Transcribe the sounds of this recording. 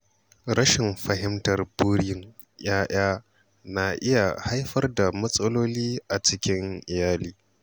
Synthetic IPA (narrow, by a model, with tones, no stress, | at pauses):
ɾɐ˦ʃɪ˨mɸɐ˨ɦɪ˦mtɐ˨rbuː˦ɽɪ˦jɪ˦ŋ | j̰aː˦j̰aː˦ | na˨ʔɪ˦ja˨ha˦jɸɐ˦rda˨mɐ˦sʼɐ˦loː˦liː˦ʔa˨t͡ʃɪ˦kʲɪ˦ŋʔɪ˨jaː˦liː˦